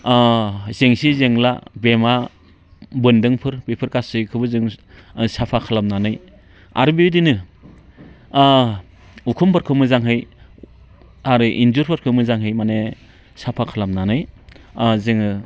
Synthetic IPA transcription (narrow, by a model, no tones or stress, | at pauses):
zeŋsizeŋla̰bema | bɯndɯŋpʰɯɾbipʰɯɾkasɯkʰɯbɯzɯŋsapʰakʰalamnanɯj | a̰ɾɯbiidinɯ | ukʰumpʰaɾkʰɯmɯzaŋɦɯj | aɾɯʔinzuɾpʰaɾkʰɯmɯzaŋɦɯjmane | sapʰakʰalamnanɯj | zeŋɯ